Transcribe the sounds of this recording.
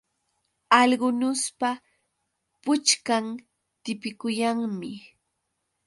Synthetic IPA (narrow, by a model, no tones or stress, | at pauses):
ɑʎɢʊnʊspa | pʊt͡ʃkam | t̪ɪpɪkʊjaŋmɪ